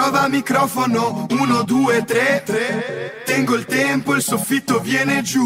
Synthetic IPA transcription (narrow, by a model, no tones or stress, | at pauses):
ɔːvaːmːikɾɔːfonounod̪uːet̪ːɾe | t̪ɛŋɡoilt̪ɛmpoilsofːit̪ːovjɛːned͡ʒu